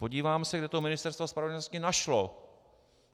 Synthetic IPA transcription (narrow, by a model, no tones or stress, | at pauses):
po̞ɟiːvaːmsɛɡdɛt̪omɪnɪst̪ɛɾst̪vospɾavɲoscɪnaʃlo